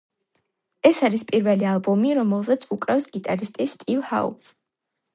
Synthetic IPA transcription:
ɛsaɾispʼiɾvɛlialˠbɔmiɾɔmɛlˠzat̪sʰukʼɾɛfsɡit̪ʼaɾist̪ʼist̪ʼivha̰ṵ

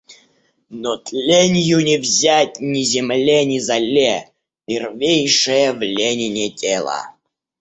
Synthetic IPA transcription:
not̪lʲenʲjʊnʲɪvzʲæt̚ʲnʲɪzʲɪmlʲenʲɪzɐlʲe | pʲɪrvʲejʂɨjəvlʲenʲɪnʲɪtʲʰelˠə̰

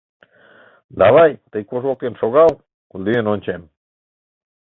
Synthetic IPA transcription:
d̪ɑβajt̪əjkoʒolt̪enʃoɣɑw | kuld̪ienonʲt͡ʃem

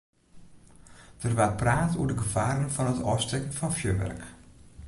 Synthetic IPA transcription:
d̥ərʋapraːtṵədəɡəfaːɾənfɔnətɔstɛkn̩fɔnfjøːʋɛ̰rk

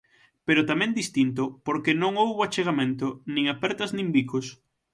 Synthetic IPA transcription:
peɾot̪amɛ̃nd̪ist̪int̪̬opoɾkenõŋowβoat͡ʃeɣamẽnt̪onĩŋapɛɾt̪ɐznĩmbikos

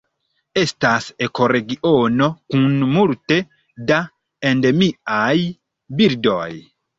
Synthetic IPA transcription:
estasekoɾeɡiʔonokunmulte | da | endemiaj | biɾdoj

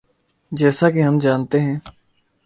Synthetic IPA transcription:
d͡ʒɛːsakeɦəmd͡ʒaːnt̪eɦɛ̃ː

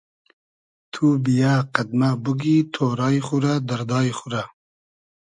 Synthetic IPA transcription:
t̪ʰubijaːqad̪̚mabuɡit̪ʰoːɾɑːiχuɾad̪ɐɾd̪ɑːixuɾa

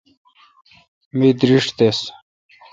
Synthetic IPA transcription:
mid̪ɾiʂʈt̪es

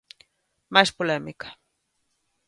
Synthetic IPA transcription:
maspolemɪkḁ

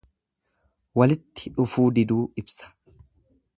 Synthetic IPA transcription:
wɐlɪt̪ːɪᶑʊfuːd̪ɪd̪uːɪbsɐ̥

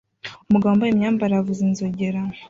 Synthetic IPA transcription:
umuɡaβambajimɲaːmbaɾavuzenzoɟeɾa

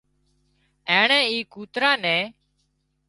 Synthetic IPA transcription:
ẽːɳɛ̃ːiːkuːt̪ɾaːnɛ̃ː

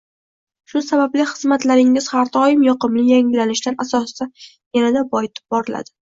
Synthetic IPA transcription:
ʃʊsabablɪχɨzmat̪laɾɪŋːɪz̥haɾd̪ʰɒjɪmjɒqɨmlɪjaŋɪlanɪʃt̪anasɒssa | janad̪abɒt̪bɒɾɪla̰d̪̥ɪ

